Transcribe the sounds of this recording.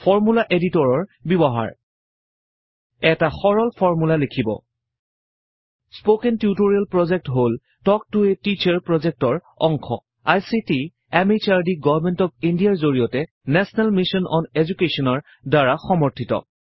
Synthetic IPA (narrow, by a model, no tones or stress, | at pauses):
pʰɔɹmulaʔeditɔɹɔɹbibɔɦa̰ɹ | ɛtaxɔɹɔlpʰɔɹmulalekʰibɔ̰ | spokɛntjutoɹialpɹɔzɛk̚tɦol | tɔk̚tuetit͡ʃaɹpɹɔzɛk̚tɔɹ | ɔŋkʰɔ̰ | ajsiti | ɛmit͡ʃaɹdiɡɔvɹmɛntɔp̚indijaɹzoɹijɔtɛ | nɛsɔnalmisɔnɔ̰nezukesɔnɔɹ | daɹaxɔmɔɹtʰitɔ̰